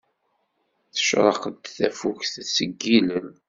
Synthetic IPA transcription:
θə̥ʃɾˤɑ̰qəd̪θæfuçθsəɡːilən

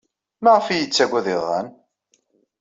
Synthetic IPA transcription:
mæʁfijət͡sːæɡʷæðɪðˤɑ̰n

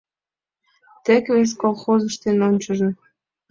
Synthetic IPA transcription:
t̪ĕkβes̬kolˠxozə̆ʃt̪enonʲt͡ɕə̆ʒĕ

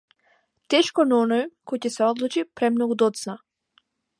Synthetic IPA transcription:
t̪ɛʃkɔnaɔnɔjkɔjcɛsɛɔd̪lˠut͡ʃipɾɛmnɔɡud̪ɔt̪sna

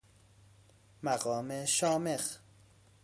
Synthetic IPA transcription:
mæɣɒːmeʃɒːmex

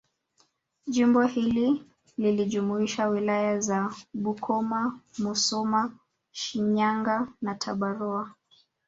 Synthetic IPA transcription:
ʄimbɔhili | liliʄumuiʃawilajazaɓukʰɔmamusɔma | ʃiɲaŋɡanatʰaɓaɾɔa

